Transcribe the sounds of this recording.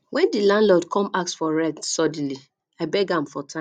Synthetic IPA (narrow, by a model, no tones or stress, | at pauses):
wɛ̃ndilãnlɔdkʰɔ̃maksfɔɹɛtsɔd̃li | aɪbɛɡãmfɔtʰã